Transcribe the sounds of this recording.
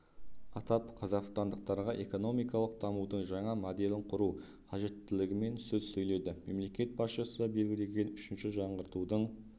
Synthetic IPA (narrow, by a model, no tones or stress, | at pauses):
ɑt̪ɑpqʰɑzɑqst̪ɑnd̪əq̚t̪ɑɾʁɑʔe̞ko̞no̞mijkɑlˠəq̚d̪ʰɑmud̪əɴʒɑɴɑmod̪e̞lɪɴqʰʊɾuw | qʰɑʒe̞t̪ːɪlɪɡʲɪme̞nsɵzsɵjle̞d̪ɪme̞mle̞kʲe̞t̪̚bɑsʃəsəbe̞lɡʲɪle̞ɡʲe̞nʏʃɪnʃɪʒɑɴʁəɾt̪ud̪əɴ